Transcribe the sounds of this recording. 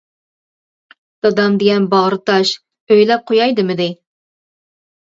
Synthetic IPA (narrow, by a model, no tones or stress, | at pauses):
d̪̥ɑd̪ɑmd̪ɪɡʲɛnbɑʁɾɨt̪ʰɑʃ | øjlɛp̚qʰojɑjd̪ɨmɪd̪ɪ